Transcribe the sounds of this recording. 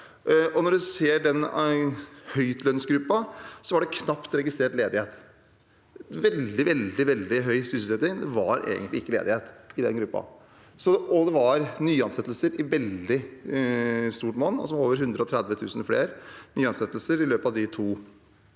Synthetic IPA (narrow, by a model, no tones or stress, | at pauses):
ʔɔnɔɖʉseːɖɛn | hœʏt̪lœnsɡɾʉpːɑsɔʋɑɖɛkʰnɑpt̪ɾɛɡɪst̪ɾeːʈleːd̪ɪheːt̪ | ʋɛld̪ɪʋɛld̪ɪʋɛld̪ɪɦœʏsʏs̩sɛt̪ːɪŋd̪ɛʋɑɾʔḛːɡənt̪lɪɪkːəlḛːd̪ɪheːt̪ɪd̪ɛ̰nɡɾʉpːɑ̰ | sɔɔd̪ɛʋɑɾnyːɑnsɛt̪ːəlsəɾɪʋɛld̪ɪ | st̪uːʈmɔnːɔ̰sɔmoːʋəɾhʉnd̪ɾəɔt̪ʰɾɛd̪ʋət̪ʰʉ̰ːsənflḛːɾnyːɑnsɛt̪ːəlsəɾɪløːpɑʋd̪ɪt̪ʰuː